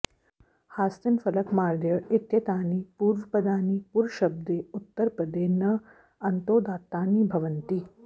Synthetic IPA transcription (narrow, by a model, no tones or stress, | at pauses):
haːst̪infɐləkmaːɾd̪jəɭɪt̪jɐt̪aːniːpuɾʋpəd̪aːniːpuːɾɕɐb̚d̪eut̪ːəɾpəd̪eːnɐ | ɐnt̪oːd̪aːt̪aːniːbʱɐʋənt̪iː